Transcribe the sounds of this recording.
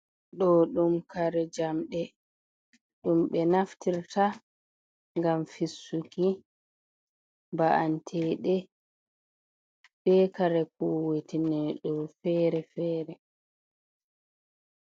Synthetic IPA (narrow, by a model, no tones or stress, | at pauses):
ɗɔɗumkaɾɛd͡ʒamɗɛ | ɗumɓɛnaftiɾta | ŋɡamfisːuki | baʔantʰɛːɗɛ | b̥ɛkaɾɛkuwetinɛɗɔfɛːɾɛfɛːɾɛ